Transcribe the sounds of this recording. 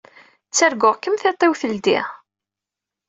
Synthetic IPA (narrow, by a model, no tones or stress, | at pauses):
t͡sːæɾɡʊʁkːəmθet̪ˤːiwθəld̪ḭʁ